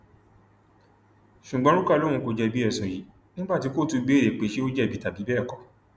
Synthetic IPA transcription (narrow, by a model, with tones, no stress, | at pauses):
ʃu˨ɡ͡bɔ̃˨˦ɾu˦ka˦˨lo˦ɾũ˧˦ko˧d͡ʒɛ˧bi˦ɛ˦˨sũ˨ji˨˦ | nĩ˦ba˦˨ti˧ko˦˨tu˧be˨˦˨ɾe˨k͡pe˨˦ʃe˦o˦d͡ʒɛ˦˨bi˨ta˨bi˨˦bɛː˦˨kɔ˨